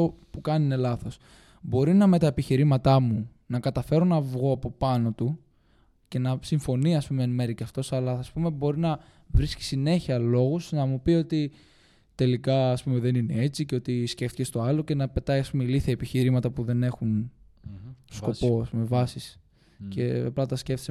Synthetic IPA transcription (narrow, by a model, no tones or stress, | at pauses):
opukɐninelɐθo̞s | bo̞ɾinɐme̞t̪ɐepiçiɾimɐt̪ɐmu | nɐkɐt̪ɐfe̞ɾo̞nɐvɣo̞ɐpo̞pɐno̞t̪u | ce̞nɐsiɱfo̞niɐspumeenmeɾiceɐft̪o̞sɐlɐɐspume̞bo̞ɾinɐ | vɾisci̥sine̞çiɐlo̞ɣusnɐmupio̞t̪i | t̪e̞likɐːspume̞ðe̞nine̞e̞t͡siceo̞t̪isce̞ft̪i̥ce̞st̪oɐlo̞ce̞nɐpe̞t̪ɐjɐspumeliθjɐepiçiɾimɐt̪ɐpuðe̞ne̞xun | sko̞po̞ɐspume̞vɐsis | ce̞ɐplɐt̪ɐsce̞ft̪ise